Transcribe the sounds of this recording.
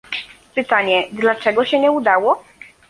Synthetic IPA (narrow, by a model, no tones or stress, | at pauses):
pɘt̪aɲɛd̪lat͡ʂɛɡɔɕɛɲɛud̪awɔ